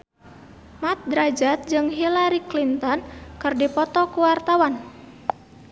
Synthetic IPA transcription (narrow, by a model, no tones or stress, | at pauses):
mat̪̚d̪ɾad͡ʒat̪̚d͡ʒɨŋɦilaɾiklint̪ɔnkɨrdipɔt̪ɔkuwart̪awan